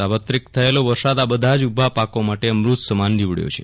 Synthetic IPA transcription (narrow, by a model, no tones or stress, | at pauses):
aʋət̪ɾikt̪ʰəeloʋəɾsad̪abəd̪ʱad͡ʒubʱapakomaʈeəmɾut̪səmand̪iʋɽjo̰t͡ʃʰḛ